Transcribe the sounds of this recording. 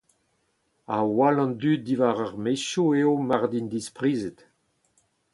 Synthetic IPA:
awalɑ̃nd̪yt̪̚d̪ivaʁaʁmeʃoeomaʁd̪ind̪ispʁiːzet̪

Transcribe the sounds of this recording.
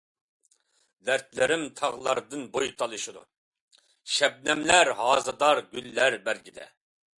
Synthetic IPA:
d̪æɾt̪lɪɾɪmt̪ʰɑʁlˠɑ̰ɾd̪ɨnbojt̪ʰɑlˠɨʃud̪ṵ | ʃɛb̚nɛmlæɾhɑːzɨd̪ɑɾɡʲylːæɾbæɾɡʲid̪ɛ̰

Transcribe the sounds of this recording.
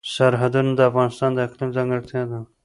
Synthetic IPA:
saɾɦad̪unad̪əafɣɑnɪst̪ɑnd̪əaqlimzaŋɡəɽt̪ʰad̪a

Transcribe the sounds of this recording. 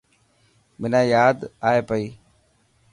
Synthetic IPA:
mɪnaːjaːd̪aːeːpəiː

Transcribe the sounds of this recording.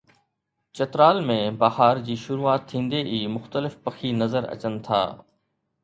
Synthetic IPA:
t͡ɕɐt̪ɾaːlmẽbahaːɾd͡ʑiːʃʊɾuːaːt̪ʰːĩːnd̪eʔiːmʊxt̪əlɪfpɐxʰinɐzəɾɐ̰t͡ɕənɪ̆t̪ʰa̰ː

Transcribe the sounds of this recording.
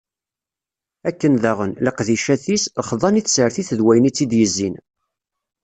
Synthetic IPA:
ækːənðæʁənləqðiʃæθisχðˤɑniθsəɾθiθəðwæjənit͡sːid̪jəzːin

